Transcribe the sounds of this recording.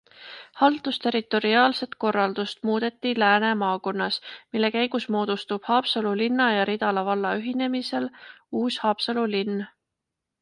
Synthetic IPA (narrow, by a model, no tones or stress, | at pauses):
hɑlt̪ˑust̪e̞ɾit̪ːˑo̞ɾiɑːlse̞t̪ko̞rːɑld̪̥ust̪muːd̪̥e̞t̪ːilæːne̞mɑːko̞nːɑsmilːe̞kæjɡ̥usmo̞ːd̪̥ust̪ub̥hɑːpsɑlulinːɑjɑɾid̪̥ɑlɑvɑlːɑyɦine̞mise̞luːshɑːpsɑlulinː